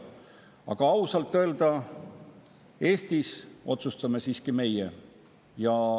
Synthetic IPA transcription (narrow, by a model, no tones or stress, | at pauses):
ɑ̰ɡ̥ɑɑwsɑlt̪ːøeld̪̥ɑ | e̞ːst̪iso̞t̪sust̪ɑme̞siːskime̞je | jɑ